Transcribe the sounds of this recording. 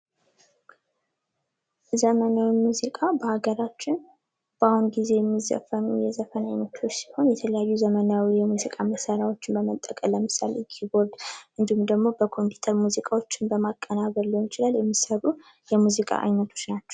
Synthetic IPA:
zəmənawimuzikʼabəhaɡəɾat͡ʃːɪn | b̥ahunɡize̞jɛmːizə̰fənujɛzəfənajnət̪ʰo̞t͡ʃːsi̥ho̞njɛt̪ʰələjajːuzəmənawijɛmuzikʼaməsəɾawo̞t͡ʃːɪnbəmət̪ʼːəkʼəlːəmɨsa̰lkʰibo̞ɾd̪ʔɨnd̪ihumd̪əɡmo̞bəkʰo̞mpʰi̥t̪ʰəɾmuzikʼawo̞t͡ʃːɪnbəmakʼːənaβəlːojɪt͡ʃɪlaljɛmːisəβu | jɛmuzikʼa̰ʔa̰jnət̪ʰo̞t͡ʃːnat͡ʃːɛ̥w

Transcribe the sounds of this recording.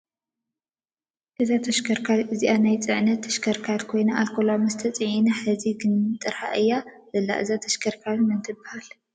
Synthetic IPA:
ʔɨzat̪ʰɐʃkʰɐɾkʰalʔɨziʔanajt͡sʼɨʕnɐt̪ʰːɐ̥ʃkʰɐɾkʰalkʰo̞jnaʔalkʰolamɐst̪ʰɐt͡sʼɨʕinɐħɨziɡɨnɨt̪ʼɨɾħa̰ʔɨjːazɐlːa̰ʔɨ̰zat̪ʰɐ̥ʃkʰɐɾkʰalmɨnt̪ʰɨbahal

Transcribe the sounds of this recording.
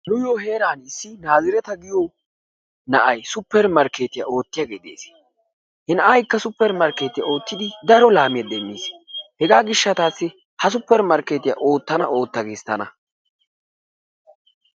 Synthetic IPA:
nʊjoːɦe̞ːɾaːnɪsːɪnaːzɪɾɛt̪ɐɡɪjo | nɐʔɐjsʊpːɛɾmɐɾkeːt̪ɪja̰o̞ːt̪ːɪjaːɡeːd̪ḛːs | hɪnɐʔɐjkːɐsʊpːɛɾmɐɾkːe̞ːt̪ɪja̰o̞ːt̪ːɪd̪ɪd̪ɐɾɔlaːmɪjɐd̪ɛmːiːshɛɡaːɡɪʃːɐt̪aːsːɪ | hɐs̬ʊpːɛɾmɐɾkːeːt̪ɪja̰ʔo̞ːt̪ːɐnɐ̰ʔo̞ːt̪ːɐɡeːst̪ːɐnɐ

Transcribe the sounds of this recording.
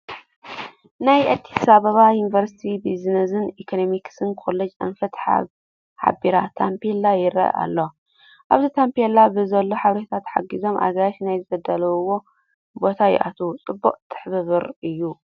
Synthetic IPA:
najʔɐd̪i̥saβɐβajunivɐɾsi̥t̪ʰibizinɐzɨnikʰonomiksɨnkʰo̞lːɐd͡ʒʔɐ̰nfɐt̪ħa̰ | ħa̰biɾat̪ʰampelːajɪɾɐ̰ʔa̰lːo̞ | ʔaβzit̪ʰampielabɨzɐlːo̞ħaβɾet̪ʰat̪ħa̰ɡizo̞mʔa̰ɡaʃnajzɨbɐd̪ɐlɐβɨwo̞ | bo̞t̪ʰajɪ̰ʔa̰t̪ʰut͡sʼɨbːuqʼt̪ʰɨ̥ħbɨβɨɾɨjːu

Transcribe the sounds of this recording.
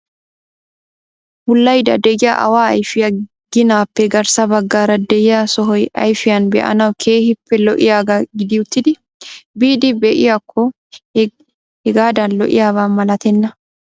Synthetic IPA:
bʊlːɐjd̪ɐd̪ɛʔɪja̰ʔɐ̰waːɐjfɪjɐ | ɡ̥ɪnaːpːɛɡɐɾsɐbɐɡːaːɾɐd̪ɛjɪjasɔɦɔjɐ̰jfɪjɐnbɛ̰ʔɐ̰nɐwkʰe̞ːhɪpːɛlɔʔɪjaːɡaɡɪd̪ɪʊt̪ːɪd̪ɪ | biːd̪ɪbɛʔɪ̰jakʰːɔ | hɛɡaːd̪ɐnlɔ̰ʔɪ̰jaːβaːmɐlɐt̪ɛnːɐ

